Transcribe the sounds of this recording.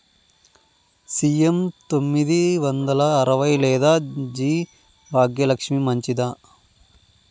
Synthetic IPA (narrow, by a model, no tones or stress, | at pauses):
siemt̪omːid̪iʋɐnd̪ɐlɐːɾɐʋɐjlɛːd̪aːd͡ʒiː | bʱaːɡjɐlɐkʂmimɐɲt͡ʃid̪aː